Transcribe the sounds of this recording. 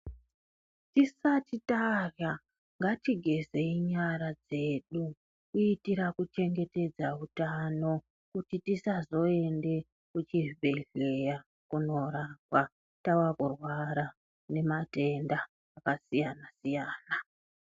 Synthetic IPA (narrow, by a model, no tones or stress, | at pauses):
tisatitara | ŋɡatiɡʱe̞ze̞iɲaɾad͡ze̞ːɗu | kuitiɾakut͡ʃe̞ŋɡe̞te̞d͡zautano̞ | kutitisazo̞e̞nde̞ | kut͡ʃivʱe̞ɮe̞ja | kuno̞ɾakwa | tawakurwaɾa | ne̞mate̞ndaː | kasijanasijaːna